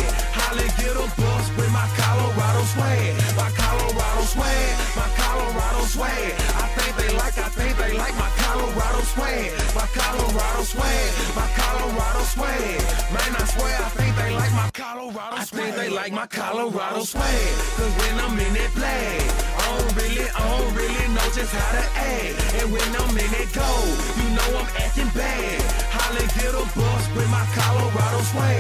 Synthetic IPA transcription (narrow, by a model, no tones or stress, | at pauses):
hɑliɡʊɾobɪlˠzwɨɪ̃maɪkʰɑlˠəɹɑɾoswɛ | maɪkʰɑlˠəɹɑɾoswɛ | maɪkʰɑlˠəɹɑɾoswɛ | aɪθɪ̃ŋk̚ðeɪlaɪkaɪθɪ̃ŋk̚ðeɪlaɪk̚maɪkʰɑlˠəɹɑɾoswɛ | maɪkʰɑləɹɑɾoswɛmaɪkʰɑləɹaɾoswɛmãɪ̃naswɛaɪθɪ̃ŋk̚ðeɪlaɪk̚maɪkʰal | aɪθɪ̃ðeɪlaɪk̚maɪkʰaloɹaɾoswɛkʌzwɛ̃nãɪ̃mɪnɪpʰleɪaõɹɪliãɹɪlinoʊd͡ʒɪshaʊɾɨʔɛ | ɨ̃nwɨ̃nãɪ̃mɪnɪt̚ɡ̥oʊ | jɨnoʊãɪ̃mɛtɪ̃ŋbɛ | halɪ̃ɡɪɾobʊswɪmaɪkʰaloɹaɾoswɛ